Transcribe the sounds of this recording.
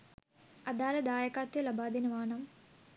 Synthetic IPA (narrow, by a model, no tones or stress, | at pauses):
ɐd̪aːlɐd̪aːjɐkaːt̪ːɐlɐbʱaːd̪inɐʋaːɳɐm